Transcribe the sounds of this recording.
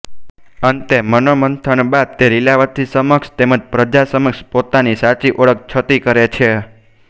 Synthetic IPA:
ənt̪emənomənt̪ʰəɳbad̪̚t̪eɾilaʋət̪ʰːisəməkʃt̪eməd͡ʒpɾəd͡ʒasəməkʃpot̪anisaɾt͡ʃiʔoɭək̚ʰt͡ʃʰət̪ikəɾet͡ʃʰe

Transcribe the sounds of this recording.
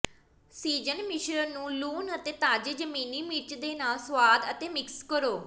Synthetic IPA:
siːd͡ʒənmɪʃɾəɾnũːluːnət̪eːt̪aːd͡ʒed͡ʒəmiːniːmɪt͡ʃd̪eːnaːlsʋaːd̪ət̪eːmɪkskəɾoː

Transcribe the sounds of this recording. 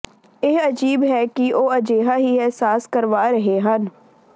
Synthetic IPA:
eːɐd͡ʒiːbɦɛkiʔoːɐd͡ʒeːɦaɦiɛsaːskɐɾʋaɾɐɦeɦãn

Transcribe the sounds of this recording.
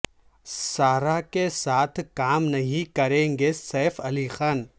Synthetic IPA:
saːɾakesaːt̪ʰkaːmnɐɦĩkɐɾẽːŋɡesɛːfɐlixaːn

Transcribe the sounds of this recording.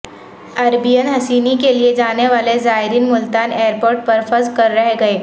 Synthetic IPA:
ɐɾbijənɦɐsiːnikelied͡ʒaːneʋaːlezaːɦɪɾiːnmʊlt̪aːneːəɾpoːɾʈ̚pɐɾfəzkɐɾːɐɦeɡɐeː

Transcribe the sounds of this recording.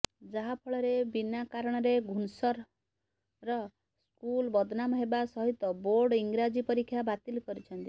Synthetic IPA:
d͡ʒaɦapʰɔɭɔɾebinakaɾɔɽ̃ɔɾeɡʱunsɔɾ | ɾɔ | skulbɔd̪ʱnamɔɦebasɔɦit̪ɔboɾɽiŋɡɾad͡ʒipɔɾikʰːjabat̪ilkɔɾit͡ʃʰɔnt̪i

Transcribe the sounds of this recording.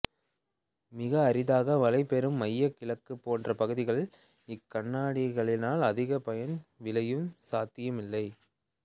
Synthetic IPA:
mɪɣɐːɾɪðaːɣɐʋɐlɐɪpːɛɾɯmːɐjːɐkːɪɭɐkːɯpːoːndrɐpɐɣɯðɪɣɐɭ | ɪkːɐɳːaːɽɪɣɐɭɪnaːlɐðɪɣɐpɐjɐnʋɪlɐjɯmsaːt̪ːɪjɯmɪlːɐɪ

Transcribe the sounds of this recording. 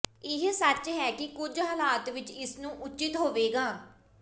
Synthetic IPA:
ɪɦsət͡ʃɦɛːkɪkʊd͡ʒɦaːlaːt̪ʋɪt͡ʃɪsnũːʔʊt͡ʃɪt̪ɦoːʋeːɡaː

